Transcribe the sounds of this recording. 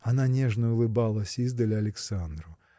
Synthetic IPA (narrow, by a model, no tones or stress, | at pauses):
ananʲɛʐnɐulˠɨbalˠɐsʲizd̪ɐlʲiɐlʲɛksand̪ɾu